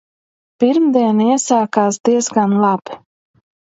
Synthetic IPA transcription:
piɾmd̪iɛniɛsaːkaːsd̪iɛzɡanlˠab̥

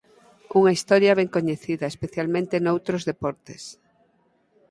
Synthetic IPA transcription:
uŋɐist̪ɔɾjɐβɛŋkoɲeθiðɐespeθjalmẽnt̪enowt̪ɾozðepɔɾt̪es

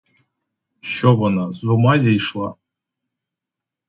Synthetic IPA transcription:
ʃovanazumazʲejʂlˠa

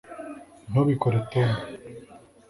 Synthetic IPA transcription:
noβikoɾet̪en

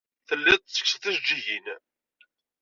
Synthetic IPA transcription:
θəlːæd̪̚t͡sːə̥ksθæzd͡ʒːiʝin

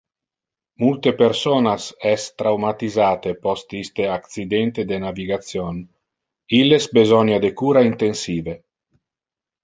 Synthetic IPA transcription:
mult̪epeɾsoːnasɛst̪ɾawmat̪izaːt̪epɔst̪ist̪eakt̪sid̪ɛnt̪ed̪enaviɡat̪sjon | ilːesbezɔnjad̪ekuːɾaint̪ensiːve

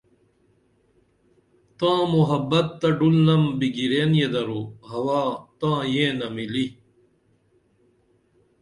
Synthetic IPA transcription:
t̪ãːmuɦɐbːɐt̪ːɐɖulnɐmbiɡiɾeːnjed̪ɐɾuhɐwaːt̪ãːjẽːnɐmili

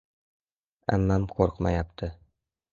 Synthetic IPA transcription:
æ̰mːæmqoɾqmɑjɑpt̪ʰɤ

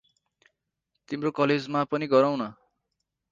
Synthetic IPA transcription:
t̪imrokʌled͡zmapʌniɡʌɾaw̃nʌ

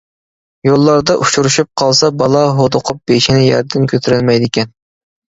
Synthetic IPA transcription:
jolˠːɑɾd̪ɑʔut͡ʃʰuɾuʃup̚qʰɑlˠsɑbɑlˠɑɦod̪oqʰʊp̚beʃinɪjɑ̰ɾd̪ɪnkʲʰøt̪ʰyɾylmɛjd̪ɪkʲɛn

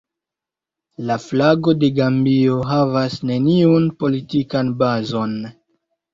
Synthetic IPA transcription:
laflaɡo̞de̞ɡambio̞ɦavasne̞niunpo̞litikanbazo̞n

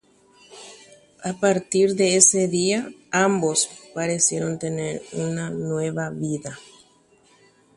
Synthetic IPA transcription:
apaɾt̪iɾðe̞ese̞ðiaambo̞spaɾesjeɾo̞nt̪e̞neɾunanwe̞βaβiða

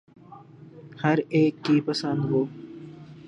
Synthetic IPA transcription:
hɐɾeːkːipɐsə̃nd̪ɦoː

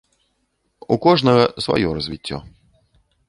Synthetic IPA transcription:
ukɔʐnɐɣɐsʋɔ̰jɔɾɔzʲʋʲitʲːɔ̰

